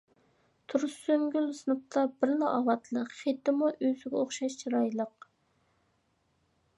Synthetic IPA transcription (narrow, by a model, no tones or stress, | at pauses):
t̪ʰuɾsyŋɡʲylsɨnəp̚t̪ʰɑbɪɾlˠɑɑwɑt̪ʰlˠəqχet̪ːɪmuʔøzɪɡʲɛoχʃɑʃt͡ʃʰiɾɑjlˠəq̚